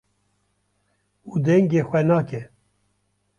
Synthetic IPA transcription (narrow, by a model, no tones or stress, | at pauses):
uːd̪ɛŋɡeːxwɛnaːkɛ